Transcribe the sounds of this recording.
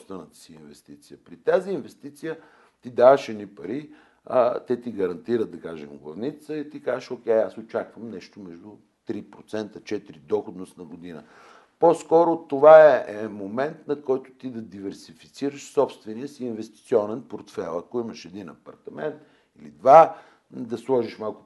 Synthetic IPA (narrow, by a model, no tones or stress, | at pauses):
st̪vɛnət̪ə̥siːnvɛst̪it̪sijəpɾit̪aziːnvɛst̪it̪sijə | t̪id̪avəʃɛnipɐɾi | ət̪ɛt̪iɡɐɾɐnt̪iɾət̪d̪ɐkaʒɛmɡlˠɐ̰vnit̪səit̪ikazəʃokʲɛjasot͡ʃakvəmnɛʃt̪omɛʒd̪ʊ | t̪ɾipɾot̪sɛnt̪ət͡ʃɛt̪iɾid̪ɔxod̪nost̪nɐɡod̪inə̰ | poskɔɾʊt̪ovaɛɛmomɛnt̪nɐkɔjt̪ʊ̥t̪id̪ɐd̪ivɛɾsifit̪siɾəʃsɔpst̪vɛniəsiːnvɛst̪i̥t̪sʲiɔnɛnpoɾt̪fɛlˠɐkʊiməʃɛd̪inɐ̰pɐɾt̪ɐmɛnt̪ | ilḭd̪va | d̪ɐslˠɔʒiʃmalˠkʊ